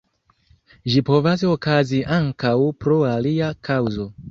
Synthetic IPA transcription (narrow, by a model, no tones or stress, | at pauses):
ʒipo̞vas̬o̞kaziʔaŋkawpɾo̞aliakʰawzo̞